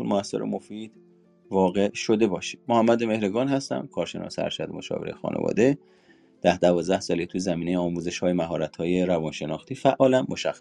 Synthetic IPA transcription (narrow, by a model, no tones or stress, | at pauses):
unmoæsːḛɾḛmofiːd̪̥ | vɒːɣe̞ʃo̞d̪e̞bɒːʃi̥mmohæmːæd̪eme̞hɾiɡɒːnhæst̪æ̰mkʰɒːɾʃe̞nɒ̰ːseæ̰ɾʃæd̪emo̞̰ʃɒ̰ːveɾḛxɒ̰ːnʔḛvɒ̰ːd̪e̞ | d̪̥æhd̪ævɒːzd̪æhsɒːlet̪ʰujzæmiːnejeɒːmuːze̞ʃhɒːjemæɦɒːɾæt̪ʰhɒːje̞ɾævɒːnʃe̞nɒːxt̪iːfæʔɒːlæmːoʃæxːæ